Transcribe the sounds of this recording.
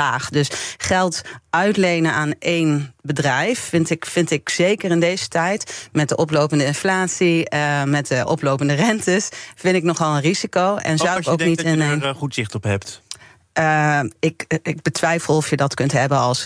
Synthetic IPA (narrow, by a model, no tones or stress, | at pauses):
aːχdɵsχɛlˠtʔœɥtlejnənaːnʔejnbədrɛjffɪntɪkfɪntɪkzejkərɪndejz̥ətɛjtmɛt̚dəʔɔplowpəndəɪnflaːtsimɛt̚dəʔɔ̰plowpəndərɛntəsfɪntɪknɔχɑlˠənrizikowɛ̰nzawowknitnχutzɪχtɔpɦɛpt | ɪkɪɡ̚bətʋɛjfəlˠɔfjədɑtkɵntɦɛbənɑlˠs